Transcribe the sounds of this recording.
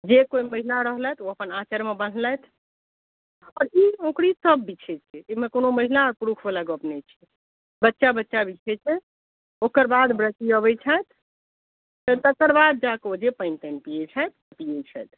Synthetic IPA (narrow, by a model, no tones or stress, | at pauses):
d͡ʒekoiməɦilaɾəɦlɛjt̪oəpənat͡ʃəɾmebən̤lɛjt̪ʰ | ɔɾiokɾisəbːit͡ʃʰɛt͡ʃʰɛemekonoməɦilaɔɾpuɾukʰbelaɡəpnɛt͡ʃʰɛ | bətːʃabətːʃabit͡ʃʰɛt͡ʃʰɛ | okəɾbad̪bɾət͡ʃiəβɛt͡ʃʰajt̪ | t̪ət̪əkəɾbad̪̚d͡ʒakod͡ʒepəɪnpəɪnpijɛt͡ʃʰajt̪̚ʰ | pijet͡ʃʰɛ̰jt̪̚ʰ